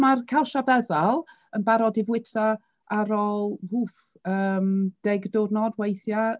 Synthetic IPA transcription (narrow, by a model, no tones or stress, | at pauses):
markʰɛlˠʃabɛðalˠ | ənbaɾɔdɪvwɪtʰa | aɾoːlˠhu | əːmd̥ɛɡdʊrnɔdwejθja